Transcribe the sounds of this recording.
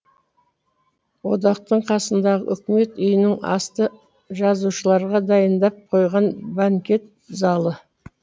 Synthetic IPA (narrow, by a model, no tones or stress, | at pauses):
wo̞̰d̪ɑqt̪əɴqʰɑsənd̪ɑʁə̰ʔʏkʲɪme̞t̪ʏjɪnɪŋɑ̰st̪ə | ʒɑzuʃəlˠɑɾʁɑd̪ɑjənd̪ɑp̚qʰo̞jʁɑnbaŋkʲe̞t̪̚ | zɑlˠə